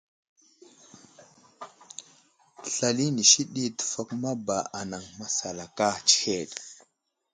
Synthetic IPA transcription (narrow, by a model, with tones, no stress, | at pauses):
tə˨ɬa˨li˦ni˨ʃi˦ɗi˦tə̥˨fa˦kma˦ba˨a˨na˨ŋma˨sa˨la˨ka˦t͡ʃi̥˦he˦˨ɗ